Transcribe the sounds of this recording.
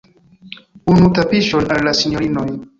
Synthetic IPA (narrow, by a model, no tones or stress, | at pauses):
unũt̪apiʃɔnaɾlasiɲɔɾinɔi